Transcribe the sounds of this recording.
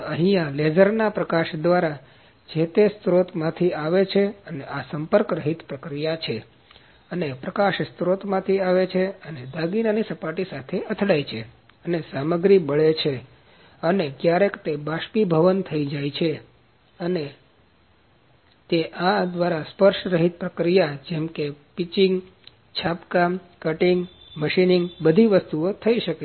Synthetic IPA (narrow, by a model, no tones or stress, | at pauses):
əɦĩaled͡ʒəɾnapɾəkaʃd̪ʋaɾa | d͡ʒet̪est̪ɾot̪mãt̪ʰiaʋet͡ʃʰeəneʔasəmpəɾkɾəɦit̪pɾəkɾijat͡ʃʰe | ənepɾəkaʃst̪ɾot̪mãt̪ʰiaʋet͡ʃʰeəned̪aɡinanisəpaʈisat̪ʰeʔət̪ʰɽajt͡ʃʰḛ | ənesaməɡɾibəɭet͡ʃʰe | ənekjaɾekt̪ebaʃpibʱəʋənt̪ʰəid͡ʒait͡ʃʰe | əne | t̪eʔãd̪ʋaɾaspəɾʃɾəɦit̪̚pɾəkɾijad͡ʒɛmkepit͡ʃiŋɡ | t͡ʃʰapkamkəʈiŋɡ | məʃiniŋɡbəd̪ʱiʋəst̪uot̪ʰəiʃəke